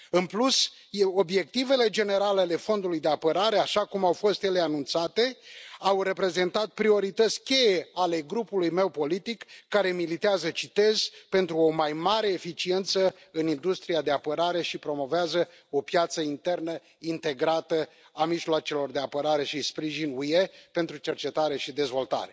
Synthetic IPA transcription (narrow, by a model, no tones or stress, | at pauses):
ɨnplus | o̞bje̞k̚t̪ive̞le̞d͡ʒe̞ne̞ɾaleale̞fo̞nd̪ulujd̪e̞apəɾaɾe̞aʃakumawfo̞st̪je̞leanunt̪sat̪e̞awre̞pɾe̞ze̞nt̪at̪̚pɾio̞ɾit̪ət̪sʲkʲe̞je̞ale̞ɡɾupulujme̞wpo̞lit̪ikːaɾe̞milit̪eazət͡ʃit̪e̞z̥pe̞nt̪ɾuo̞majmaɾe̞ːfit͡ʃie̞nt̪səɨnind̪ust̪ɾijad̪e̞apəɾaɾe̞ʃipɾo̞mo̞veazə | o̞pjat̪səint̪e̞rnə | int̪e̞ɡɾat̪ə | amiʒloat͡ʃe̞lo̞rd̪eapəɾaɾe̞ʃispɾiʒinuje̞pe̞nt̪ɾut͡ʃe̞rt͡ʃe̞t̪aɾe̞ʃid̪e̞zvo̞lt̪a̰ɾe̞